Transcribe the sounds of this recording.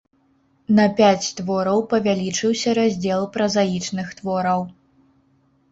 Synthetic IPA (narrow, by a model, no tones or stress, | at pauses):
nɐpʲat͡sʲt̪vɔɾɐwpɐvʲalʲit͡ʂɨwsʲɐɾazʲd͡zʲɛlˠpɾɐzajit͡ʂnɨxt̪vɔɾɐw